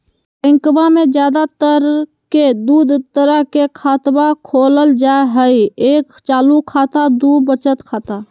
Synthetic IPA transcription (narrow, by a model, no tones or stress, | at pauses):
ɪ̃ŋkbamẽd͡ʒjaːd̪at̪əɾ | ked̪uːd̪ʱt̪əɾəɦkekʰaːt̪bakʰoːləld͡ʒaeɦəieːkt͡ʃaːlukʰaːt̪ad̪ubət͡ʃət̪kʰaːt̪a